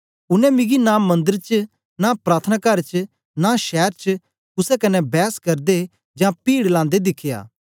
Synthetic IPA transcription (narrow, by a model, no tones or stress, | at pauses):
ʊnɛ̃mɪ̃ɡinamɐ̃nd̪əɾt͡ʃ | napɾaːt̪ʰənakɐɾt͡ʃ | naʃɛːɾt͡ʃ | ʊsɛkɐnɛbɛːskɐɾd̪e | d͡ʒãpiːɽlãːn̆d̪ed̪ɪkʰɪja̰ː